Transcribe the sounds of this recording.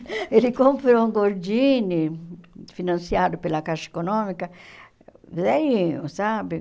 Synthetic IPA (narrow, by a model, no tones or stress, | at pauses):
eɾikompeɾoŋɡoɾd͡ʒini | finansjaːɾupelakaʃe̥konɔmika | vðɛjisabi